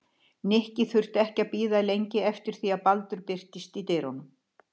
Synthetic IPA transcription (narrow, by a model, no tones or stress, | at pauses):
nɪhcɪθʏr̥t̪ɛhcaðpiːðalejɲcɪɛft̪ɪɾ̥θiaðpalt̪ʏɾpɪr̥t̪ɪst̪it̪ejɾɔnʏm